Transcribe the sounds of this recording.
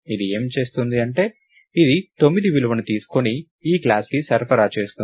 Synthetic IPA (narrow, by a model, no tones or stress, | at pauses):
id̪ie̞ːmt͡ʃe̞ːst̪und̪iɐɳʈe̞ː | id̪it̪o̞mːid̪iʋilʋɐnut̪iːsu̥koni | iːklaːskisɐɾpʰɐɾaːt͡ʃe̞ːst̪un